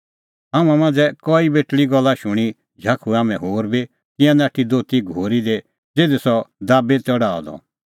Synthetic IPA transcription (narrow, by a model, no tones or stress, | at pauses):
aːmãmãːnd͡zɛkɔibeːʈɭiɡɔlːaʃʊɽ̃i | d͡ʒʱaːkʰuaːmɛ̃ɦoːɾbi | k̪ɪ̃ãnaːʈʰid̪oːt̪iɡʱoːɾid̪e | d͡zeːd̪esɔd̪aːbetɔɽaːɔ̰d̪ɔ̰